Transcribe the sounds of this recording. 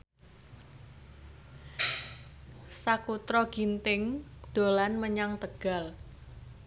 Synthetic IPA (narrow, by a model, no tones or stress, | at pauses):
sakut̪ɾɔɡ̥int̪ɪŋd̪̥o̤lanməɲaŋt̪əɡ̥a̤l